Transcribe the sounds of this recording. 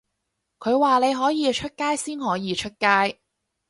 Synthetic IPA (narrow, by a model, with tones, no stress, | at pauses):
kʰɵ˨˧ɥwaː˨˩ne˨˧jɦɔː˨˥jiː˨˧t͡ʃʰɵ˥t̚kaː˥jsiː˥nhɔː˨˥jiː˨˧t͡ʃʰɵ˥t̚kaː˥j